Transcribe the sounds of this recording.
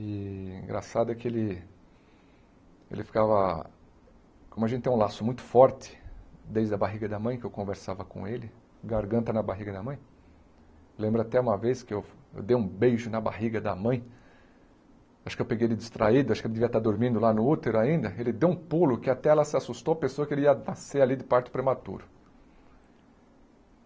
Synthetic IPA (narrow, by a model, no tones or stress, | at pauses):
ɪĩɡɾa̰sad̪ʊɛkɪelɪ | ḛlɪfi̥kavɐ | kõmʊaʒẽt̪ɪt̪ẽlasʊmũj̃t̪ʊ̥fɔɾt̪ɪ̥d̪ejzd̪ɐbaɦiɡɐd̪ɐmɐ̃j̃kɪewkõveɾsavɐkõ̰elɪ | ɡaɾɡɐ̃nt̪ɐnɐbaɦiɡɐd̪ɐmɐ̃j̃ | lẽmbɾʊat̪ɛũmɐveskɪewḛwd̪ejũbejʒʊnɐba̰ɦiɡɐd̪ɐmɐ̃j̃ | aʃʊkewpeɡejelɪd͡ʒ̪ist̪ɾʔa̰id̪ʊaʃʊkelɪd̪eviɐt̪aɾd̪oɾmĩnd̪ʊlanʊut̪eɾʊaĩnd̪ɐelɪd̪ewũpulʊkɪat̪ɛɛlɐsɪasust̪owɐpesowɐkelɪiɐnasealid̪ɪpaɾt̪ʊ̥pɾemat̪ṵɾʊ